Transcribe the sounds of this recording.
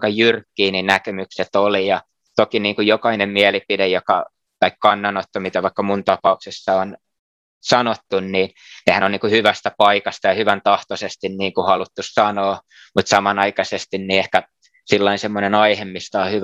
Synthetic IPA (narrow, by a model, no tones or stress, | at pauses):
kɑjyrkːiːninnækemykset̪olijɑ | t̪okiniːŋkujokɑinemmiælipidejokɑ̰ | t̪ɑikkɑnːɑnːot̪ːomit̪ɑʋɑikːɑmunt̪ɑpɑuksesːɑon | sɑnot̪ːunniːn | nehænoniːŋkuhyʋæst̪æpɑikɑst̪ɑjɑhyʋænt̪ɑht̪osest̪inniːŋkuhɑlut̪ːussɑnoː | mut̪sɑmɑnɑikɑsest̪inniehkæ | silːɑinsemːonenɑihemːist̪ɑːhyʋ